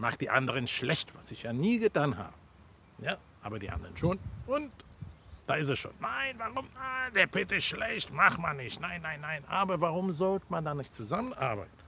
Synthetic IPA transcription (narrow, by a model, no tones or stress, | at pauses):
maːχd̥iːʔa̰ndəʁənʃlɛçtv̥asɪçjaːniːɡətʰaːnɦa̰ːbə | jaː | ʔaːbɐdiːʔa̰ndɐʁənʃoːnʊntd̥aːɪs̬tɛsʃo̰ːnːaɪnvaʁʊmad̥eːɐpʰɪtɪsʃlɛçtmaχmanːɪçtnaɪnːaɪnːaɪnʔaːbɐvaʁʊmzɔltəmandaːnɪçtt͡suzamənʔaɐba̰ɪtn̩